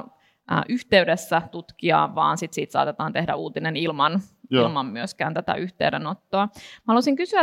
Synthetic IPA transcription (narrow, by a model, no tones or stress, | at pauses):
ʔʔyht̪eydesːæt̪ut̪kiɑ̰ːʋʋɑ̰ːnsit̪sḭːt̪sɑ̰ːt̪et̪ɑːnt̪ehdæ̰uːt̪inenilmɑnilmɑmːyøskæːnt̪æt̪æ̰ʔyht̪ḛydenot̪ːoɑmɑhɑlusiŋkysyæ